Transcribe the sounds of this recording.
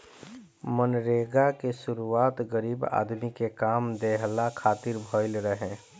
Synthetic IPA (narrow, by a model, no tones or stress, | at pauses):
mənɾeːɡakesʊɾuaːt̪ɡəɾiːba̰ːd̪mikekaːmd̪eɦlakʰaːt̪ɪɾbʱɔɪlɾəɦẽ